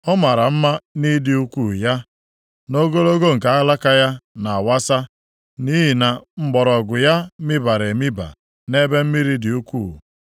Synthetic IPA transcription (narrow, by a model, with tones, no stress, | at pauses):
ɔ˦ma˨ɾa˨m̩˦ma˦ni˦dɪ˦u˦kʷu˦˨ja˦ | no˦ɡo˦ɾo˦ɡo˦ŋ̩˨ka˨a˦la˦ka˦ja˦na˨a˨wa˦sa˦ | ni˦ɦi˨na˨ŋ͡m̩˦ɡ͡bɔ˨ɾɔ˨ɡʊ˨ja˦mi˦ba˨ɾe˨mi˦ba̰˨ | ne˦be˦m̩˦mi˦ɾi˦dɪ˨u˦kʷṵ˦˨